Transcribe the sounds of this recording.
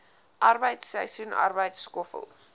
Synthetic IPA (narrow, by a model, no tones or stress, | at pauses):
ʔɐrbəjtsəjsuna̰rbəjtskɔfə̰lˠ